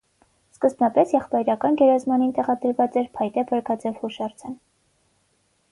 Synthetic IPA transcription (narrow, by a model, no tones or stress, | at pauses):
skəzbnɑpɛsjɛχpɑjɾɑkɑnɡɛɾɑzmɑnint̪ɛʁɑd̪əɾvɑt͡sɛɾpʰɑjt̪ɛbʰəɾɡɑd͡zɛvhuʃɑɾt͡sʰɛn